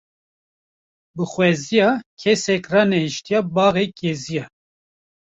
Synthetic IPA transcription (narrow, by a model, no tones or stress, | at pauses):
bɨxwɛzijɑːkʰɛsɛkrɑːnɛhiʃt̪ijɑbɑːɣekezijɑ